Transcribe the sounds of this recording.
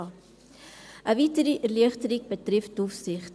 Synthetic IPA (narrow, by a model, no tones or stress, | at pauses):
ʔəvitəɾiʔərliəχtəɾik̚bətrɛftdufsɪχt